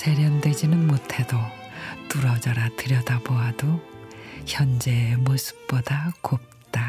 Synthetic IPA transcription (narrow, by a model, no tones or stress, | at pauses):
sʰe̞ɾjʌndwed͡ʑinɯnmotʰe̞do | tuɾʌd͡ʑaɾatɯɾjʌdaboɦado | çjʌnd͡ʑe̞mosʰɯ̥p̚p͈odakop̚t͈a